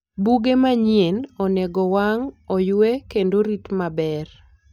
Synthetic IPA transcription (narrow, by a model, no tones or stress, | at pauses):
buɡemaɲienɔnɛɡɔwaŋɔjwekendoɾit̪mabɛr